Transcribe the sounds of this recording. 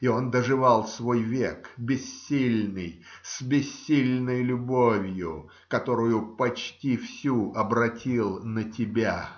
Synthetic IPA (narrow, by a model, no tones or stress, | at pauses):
io̞nd̪əʐɨvɑlˠsvo̞jvʲekbʲɪsʲːilʲnɨj | sbʲɪsʲːilʲnəjlʲʊbovʲjʊ | kɐt̪o̞ɾʊjʊpɐt͡ɕtʲifsʲuʔɐbɾɐtʲilˠnətʲɪbʲa